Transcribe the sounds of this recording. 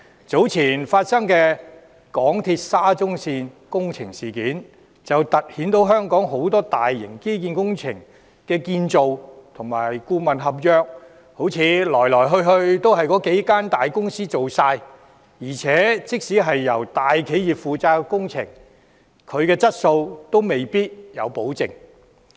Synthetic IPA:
t͡so˨˥wt͡sʰiː˨˩nfaː˧t̚sɐ˥ŋkɛː˧ | kɔː˨˥ŋt̪ʰiː˧t̚saː˥t͡sʊ˥ŋsiː˧n | kʊ˥ŋt͡sʰɪ˨˩ŋsiː˨˩kiː˨˥n | t͡sɐ˨wt̪ɐ˨t̚hiː˨˥nt̪o˨˥wɦœː˥ŋkɔː˨˥ŋɦo˨˥wt̪ɔː˥t̪aː˨jːɪ˨˩ŋke˥jkiː˧nkʊ˥ŋt͡sʰɪ̰˨˩ŋ | kɛː˧kiː˧nt͡so˨wt̪ʰʊ˨˩ŋma̰ː˨˩jkuː˧mɐ˨nɦɐ˨p̚jœː˧k̚ | ho˨˥wt͡sʰiː˨˧lɔː˨˩jlɔː˨˩jɦɵ˧ɥɦɵ˧ɥt̪o˥wɦɐ˨jkɔː˨˥ke˨˥jkaː˥nt̪aː˨jkʊ˥ŋsiː˥t͡so˨wsaː˧j | jiː˨˩t͡sʰɛː˨˥t͡sɪ˥k̚siː˨˥ɦɐ˨jːɐ˨˩wt̪aː˨jkʰe˨˥jjiː˨˩p̚fuː˨t͡saː˧˥kʊ˥ŋt͡sʰɪ̰˨˩ŋ | kʰɵ˨˧ɥkɛː˧t͡sɐ˥t̚so˧wt̪o˥wme˨jpiː˥t̚jɐ˨˧wpo˨˥wt͡sɪ˨˩ŋ

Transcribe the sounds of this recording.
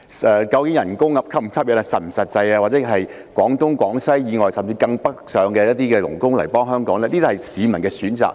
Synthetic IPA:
ɛː˧kɐ˧wkɪ˨˥ŋjɐ˨˩nkʊ˥ŋːɐ˨˥p̚kʰɐ˥p̚m˨˩kʰɐ˥p̚jɐ˨˥na˧sɐ˨˩m̩˨˩sɐ˨t̚t͡sɐ˧jaː˧waː˨t̚t͡sɛː˨˥ɦɐ˨j | kʷɔː˨˥ŋt̪ʊ˥ŋkʷɔː˨˥ŋsɐ˥jjiː˨˧ŋɔː˨˩jsɐ˨mt͡siː˧kɐ˧ŋpɐ˥k̚sœː˨˧ŋkɛː˧jɐ˥t̚t̪iː˥kɛː˧lʊ˨˩ŋkʊ˥ŋlɐ̰˨˩jpɔː˥ŋɦœː˥ŋkɔː˨˥ŋlɛː˥liː˥t̪hjsiː˨˧mɐ˨nkɛː˧syː˨˥nt͡sa̰ː˨˩k̚

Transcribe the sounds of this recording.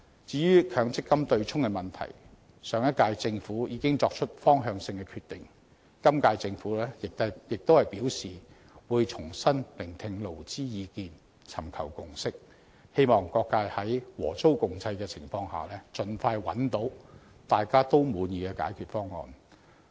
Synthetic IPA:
t͡siː˨˧ɥyː˥kʰœː˨˥ŋt͡sɪ˥kːɐ˥mt̪ɵ˧ɥt͡ʃʰʊ˥ŋkɛ˧mɐ˨˩nt̪ʰɐ̰˨˩j | sœː˨˥ŋjɐ˥t̚kaː˧jt͡sɪ˧ŋfuː˨˥jiː˨˧kɪ˥ŋt͡sɔː˧k̚t͡ʃʰɵ˥t̚fɔː˥ŋɦœː˧ŋsɪ˧ŋkɛ˧kʰyː˧t̪ːɪ˨ŋ | kɐ˥mkaː˧jt͡sɪ˧ŋfuː˨˥lɛː˥jɪ˨k̪̚jɪ˨k̚t̪o˥whɐ˨jpiː˨˥wsiː˨ | wuː˨˧jt͡sʰʊ˨˩ŋsɐ˥nlɪ˨˩ŋt̪ʰɪ˧ŋlo˨˩wt͡siː˥jiː˨˧kiː˧n | t͡sʰɐ˨˩mkʰɐ̰˨˩wkʊ˨ŋsɪ˥k̚ | he˥jmɔː˨ŋkɔː˧kːaː˧jhɐ˨˥jwɔ̰ː˨˩t͡so˥wkʊ˨ŋt͡sʰɐ˧jkɛ˧t͡sʰɪ˨˩ŋfɔː˧ŋha̰ː˨lɛː˥t͡sɵ˨nfaː˧jwɐ̰˨˥nt̪o˨˥w | t̪aː˨jkaː˥t̪o˥wmuː˨˧njiː˨˧kɛ˧ka̰ː˨˥jkʰyː˨t̚fɔː˥ŋːɔ̰ː˧n

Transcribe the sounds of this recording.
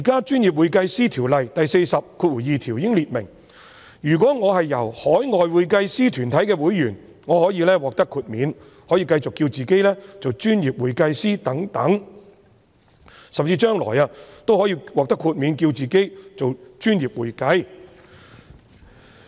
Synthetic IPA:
iː˨˩kaː˥t͡ʃyː˥nji˨p̚wuː˨˧jkɐ˧jsiː˥t̪ʰiː˨˩wlɐ˨jt̪ɐ˨jse˧jsɐ˨p̚kʰuː˧t̚wuː˨˩jjiː˨t̪ʰiː˨˩wjɪ˥ŋliː˨t̚mɪ̰˨˩ŋ | jyː˨˩k̬ɔː˨˥ŋɔː˨˧hɐ˨jːɐ˨˩whɔː˨˥jŋɔː˨jwuː˨˧jkɐ˧jsiː˥t̪ʰyː˨˩nt̪ʰɐ˨˥jkɛː˧wuː˨˥jːyː˨˩n | ŋɔː˨˧hɔː˨˥jiː˨˧lɛː˥wɔː˨k̚t̪ɐ˥kʰːuː˧t̚miː˨˧n | hɔː˨˥jiː˧kɐ˧jt͡sʊ˨kːiː˧wt͡siː˨ke˥jlɛː˥t͡so˨wt͡ʃyː˥njiː˨p̚wuː˨jkɐ˧jsiː˥t̪ɐ˨˥ŋt̪ɐ˨˥ŋ | sɐ˨mt͡siː˧t͡ʃœː˥ŋlɔ̰ː˨˩jaː˧t̪o˥whɔ˨˥jiː˧wɔː˨k̚t̪ɐ˥kʰuː˧t̚mi˨˧nkiː˧wt͡siː˨ke˥jt͡so˨wt͡ʃyː˥njiː˨p̚wṵː˨˩jkɐ˧j

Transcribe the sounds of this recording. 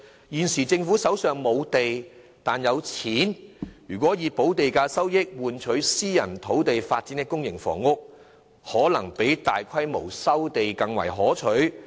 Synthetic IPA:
jiː˨nsiː˨˩t͡sɪ˧ŋfu˨˥sɐ˨˥wsœː˨ŋmo˨˧wt̪e˨j | t̪aː˨njɐ˨˧wt͡sʰiː˨˥njyː˨˩kʷɔ˨˥jiː˨˧po˨˥wt̪e˨jkaː˧sɐ˥wjɪ˥k̚wuː˨nt͡ʃʰɵ˨˥ɥsiː˥jɐ˨˩nt̪ʰo˨˥wt̪e˨jfaː˧t̚t͡siː˨˥nt̪ɪ˥kːʊ˥ŋjɪ˨˩ŋfɔ̰ː˨˩ŋːʊ˥k̚ | hɔː˨˥lɐ˨˩ŋpe˨˥jt̪aː˨jkʷʰɐ˥jmo̰˨˩wsɐ˥wt̪e˨jkɐ˧ŋwɐ˨˩jɦɔː˨˥t͡ʃʰɵ˨˥ɥ

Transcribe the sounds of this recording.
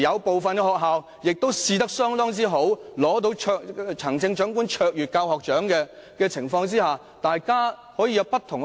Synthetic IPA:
jɐ˨˧wpo˨wfɐ˨nkɛ˧hɔː˨k̚ɦaː˨w | jɪ˨k̚t̪o˥wsiː˧t̪ɐ˥k̚sœː˥ŋt̪ɔː˥ŋt͡siː˥ɦo˨˥wlɔː˨˥t̪o˧wʰœː˧t͡sʰɐ˨˩ŋt͡sɪ˧ŋt͡ʃœː˨˥ŋkuː˥nt͡ʃʰœː˧k̚jyː˨t̚kaː˧whɔː˨k̚t͡ʃœː˨˥ŋkɛː˧ | kɛː˧t͡sʰɪ˨˩ŋfɔː˧ŋt͡siː˥haː˨ | t̪aː˨˩jkaː˥ | hɔː˨˥jiː˧jɐ˨˧wpɐ˥t̪ʰːʊ˨˩ŋ

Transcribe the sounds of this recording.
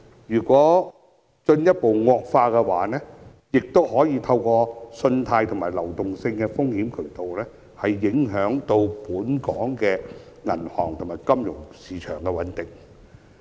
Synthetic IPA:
jyː˨˩kʷɔː˨˥ | t͡ʃɵ˧njɐ˥t̚po˨wŋɔː˧k̚faː˧kɛ˧waː˨˥nɛː˥ | jɪ˨k̚t̪o˥whɔː˨˥jiː˧t̪ʰɐ˧wkɔː˧sɵ˧nt̪ʰaː˧jt̪ʰʊ˨˩ŋmaː˨˩jlɐ˨˩wt̪ʊ˨ŋsɪ˧ŋkɛː˧fʊ˥ŋhiː˨˥mkʰɵ˨˩ɥt̪o˨wlɛː˥ | hɐ˨jːɪ˨˥ŋɦœː˨˥ŋt̪o˧wpuː˨˥nkɔː˨˥ŋkɛː˧ | ŋɐ̰˨˩nhɔ̰ː˨˩ŋt̪ʰʊ˨˩ŋmaː˨˩jkɐ˥mjʊ˨˩ŋsiː˨˥t͡ʃʰœː˨˩ŋkɛ˧wɐ˨˥nt̪ɪ˨˩ŋ

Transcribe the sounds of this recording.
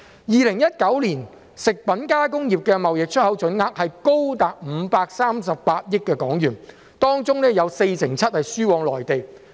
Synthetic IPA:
jiː˨lɪ˨˩ŋjɐ˥t̚kɐ˨˥wliː˨˩n | sɪ˨k̚pɐ˨˥nkaː˥kʊ˥ŋjiː˨p̚kɛ˧mɐ˨wjɪ˨k̚t͡ʃʰɵ˥t̚hɐ˨˥wt͡ʃɵ˨˥nŋaː˧k̚hɐ˨jko˥wt̪aː˨k̚m̩˨˧paː˧k̚saː˥msɐ˨p̚paː˧t̚jɪ˥k̚kːɛː˧kɔː˨˥ŋjyː˨˩n | t̪ɔː˥ŋt͡sʊ˥ŋnɛː˥jɐ˨˧wse˧jsɪ˨˩ŋt͡sʰɐ˥t̚hɐ˨jsyː˥wɔː˧ŋlɔː˨˩jt̪e˨j

